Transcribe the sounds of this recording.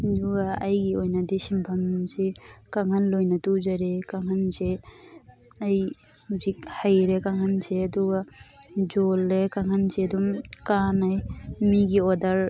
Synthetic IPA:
duɡaajɡiɔjnad̪isimbʰʱamzikaŋanlojnatud͡ʒaɾekaŋanze | aj | uzik̚hajɾekaŋanzeduɡad͡ʒɔlːekaŋanzedɔmkanajmiɡiɔdaɾ

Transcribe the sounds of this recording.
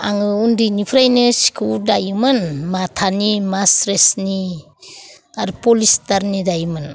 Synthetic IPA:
aŋɯundinipʰɾajnɯsi̥kʰuldajɯmɯnmatʰanimasɾesni | aɾpolistaɾnidajɯmɯn

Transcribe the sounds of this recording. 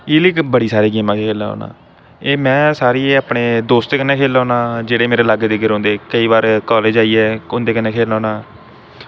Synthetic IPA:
ɪːlikbəɽiːsaːɾiːɡiːmãːkʰeːkʰeːlaːɔ̰ːna̰ː | eːmɛ̃ːsaːɾiːaːpɳeːd̪oːst̪̚d̪eːkənːẽːkʰeːlãːnãːd͡ʒeːɽeːmeːɾeːlaɡd̪ɪɡɪɾɦõːnd̪eːkəiːbaːɾkɔːleːd͡ʒaːiːɛːʊnd̪eːkənːẽːkʰeːlãːnaː

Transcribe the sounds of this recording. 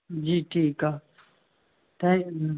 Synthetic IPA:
d͡ʒiːʈʰiːkaː | t̪ã

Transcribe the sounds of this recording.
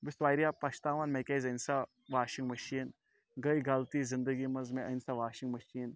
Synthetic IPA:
bɪsʋaːiɾjaːpɐt͡ʃt̪aːʋanmekeːzɐnsa | ʋaːʃĩŋɡmɐʃiːn | ɡɐjɡɐlt̪iːzɪnd̪əɡimɐzmẽʔɐjnsaʋaːʃiŋɡmɐʃiːn

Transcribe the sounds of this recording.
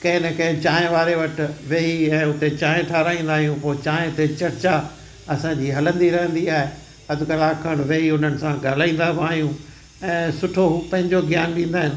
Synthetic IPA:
kɐ̃ɪ̃nəkɐ̃ɪ̃t͡ɕaːẽʋaːɾeʋɐʈɪʋeːɦiɛ̃ːʊt̪et͡ɕãːẽʈʰaːɾaːĩːn̆d̪aːɦijũpoːɪt͡ɕaːɦẽt̪et͡ɕɐɾt͡ɕa | ɐsãɲd͡ʑiːɦɐlə̃nd̪iɾɐɦə̃nd̪iaːɦe | ɐd̪ʱʊkɐlaːkʰəɽ̃ʋeːɦiʊn̤ənɪ̆sãɡaːl̤aːĩːn̆d̪abaːɦijũ | ɛ̃ːsʊʈʰoɦuːpɐ̃ɦɪ̃ɲd͡ʑoɡjaːnɗĩːnd̪aːɦɪnɪ̆

